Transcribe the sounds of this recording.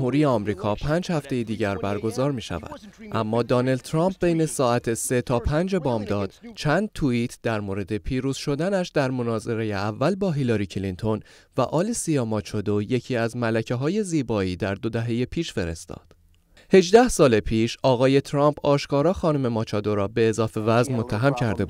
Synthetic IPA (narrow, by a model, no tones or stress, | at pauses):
huːɾije̞ɒːmɾiːkʰɒːpʰæːnd͡ʒhæft̪e̞jed̪iːɟæɾbæɾɡo̞zɒːɾmiːʃæ̰væ̰d̪̥ʔæmːɒːd̪ɒːnæld̪̚t̪ʰɾɒːmp̚be̞jne̞sɒːæt̪ʰese̞t̪ʰɒːpʰænd͡ʒe̞bɒːmd̪ɒːd̪̥t͡ʃʰænd̪̚t̪ʰuiːt̪ʰd̪̥æɾmoːɾe̞d̪e̞pʰiːɾuːz̥ʃo̞d̪ænæʃd̪æɾmo̞nɒːze̞ɾe̞jeævːælbɒːɦilɒɾiːcʰlint̪ʰo̞n | væʔɒːlesijɒːmɒːt͡ʃʰɒd̪oje̞cʰiːæzmælæcʰeɦɒːje̞ziːbɒːiːd̪æɾd̪o̞d̪æɦe̞je̞pʰiːʃfe̞ɾe̞̰st̪ɒ̰ːd̪̥ | he̞d͡ʒd̪æhsɒːlepʰiːʃɒːɣɒːje̞t̪ʰɾɒmpʰɒːʃkɒːɾɒːxɒːnume̞mɒːt͡ʃʰɒːd̪o̞ɾɒːbe̞ːzɒːfe̞væznmo̞t̪ʰːæɦæmcʰæɾd̪e̞bu̥